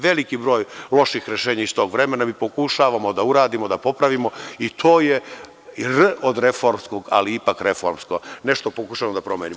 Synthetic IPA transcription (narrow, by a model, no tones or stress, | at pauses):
ʋe̞likibɾo̞ːjlˠo̞ʃixɾe̞ʃeːɲaist̪o̞ːɡʋɾe̞me̞namiːpokuʃaːʋamo̞d̪auɾaːd̪imo̞d̪apo̞pɾaʋimo̞it̪ʰo̞ːje | rod̪ɾe̞fo̞ɾmskoɡa̰liipakɾe̞fo̞̰ɾmsko̞ne̞ʃt̪opokuʃaːʋamod̪apɾo̞mjenim